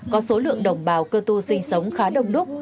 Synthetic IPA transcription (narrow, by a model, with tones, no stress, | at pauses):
kɔ˨˦so˨˦lɨ̰˧˨əŋɗə˨˩wŋ͡mɓaː˨˩wkəː˧t̪u˧sï˧ŋ̟sə˨˦wŋ͡mxaː˨˦ɗə˨˧˩wŋ͡mɗʊ˦˥k̚